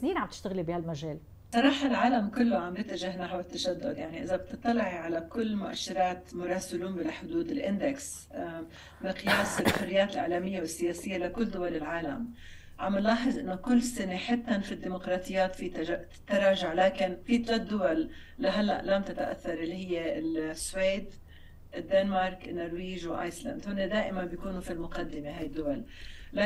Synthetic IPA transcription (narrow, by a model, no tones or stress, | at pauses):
sniːnʕambt̪ɪ̥ʃt̪ɪɣɪlibihalmaʒeːl | sˤɑɾˤɑːħalʕaːlamkʊlːoʕambjɪt̪ːɪʒɪhnaħwɪt̪ːaʃad̪ːʊd̪jaʕniʔɪzab̚t̪ɨt̪ˤːɑlːɑʕiʕalakʊlːmʊʔa̰ʃːɪɾˤɑːt̪mʊɾˤɑːsɪluːmbɪlaħʊd̪uːd̪ɪlʔɪnd̪eks | bɪqɨjaːsɪlħʊrːɪjːaːt̪ɪlʕa̰ːlamɪjːawɪsːɪjaːsɪjːalakʊlːd̪ʊwalɪlʕaːla̰m | ʕamːɪnlɑːħɪɨzˤʔɪnːʊkʊlːsɪneħɪt̪ːanfid̪ːiːmʊqɾˤɑːt̪ˤɨjːaːt̪fi | t̪ːaɾˤɑːʒaʕlaːkɪnfiːt̪ˤlɑt̪̚d̪ːʊwal | laɦalːaʔlamt̪ɪt̪aʔa̰θːɑɾˤʔɪlːihɪjːesweːd̪ | ɪd̪ːenmɑɾˤkɪnːoɾwiːʒwʔa̰ːjsla̰nd̪hʊnːed̪aːʔɪmanbjakuːnufilmʊqad̪ːɪmeɦaːjd̪ːʊwalla